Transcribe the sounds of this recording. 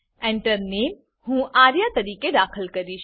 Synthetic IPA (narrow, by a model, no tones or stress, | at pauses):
ẽɳʈəɾneːm | hũːʔaːɾjat̪ɐɾiːked̪aːkʰəlkɐɾiːʃ